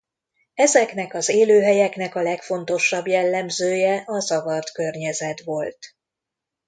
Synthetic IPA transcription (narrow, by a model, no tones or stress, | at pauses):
ɛzɛkn̪ɛkɒzeːløːɦɛjɛknɛkɒlɛkfo̞nt̪o̞ʃɒbjɛlːɛmzøːjɛʔɒzɒvɒrt̪kørɲɛzɛt̪ʋo̞lt̪